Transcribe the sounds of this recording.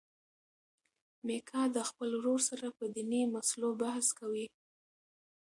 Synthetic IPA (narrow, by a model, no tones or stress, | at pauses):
mekʰɑd̪əxpəlwɾoɾsaɾapəd̪inimaslobahskawi